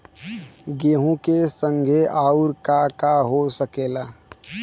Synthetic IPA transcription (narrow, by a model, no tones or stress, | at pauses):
ɡeːɦũkesə̃ŋɡʱeʔaːʊɾkakaɦosəkeːlaː